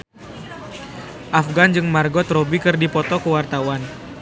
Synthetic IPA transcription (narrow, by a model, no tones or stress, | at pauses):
ʔafɡand͡ʒɨŋmarɡɔt̪ɾɔbikɨrdipɔt̪ɔkəwart̪awan